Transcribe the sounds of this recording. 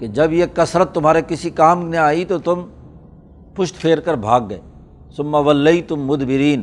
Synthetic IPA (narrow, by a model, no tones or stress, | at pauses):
ked͡ʒɐbjekɐsɾət̪ːʊmɦaːɾekɪsikaːmneaːit̪ot̪ʊm | pʊʃt̪pʰeːɾkəɾbʱaːɡ̚ːɐḛː | sʊmːɐʋɐlːeit̪ʊmːʊd̪bɪɾiːn